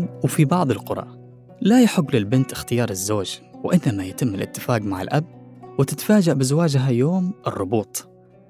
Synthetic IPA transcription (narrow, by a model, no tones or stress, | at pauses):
wfibɑʕðˤɨlqʊɾˤɑ̰ːʔ | lajaħʊɡːlɪlbɪnt̪ɪxt̪ɪjɑːɾˤɪzːoːd͡ʒwɪʔɪnːamajɪt̪ɪmːɪlʔɪ̰t̪ːɪfaːqmaʕɪ̰lʔabwɪt̪ɪt̪faːd͡ʒaʔbɪzawaːd͡ʒɦajoːmʔɪrˤːʊbuːt̪ˤ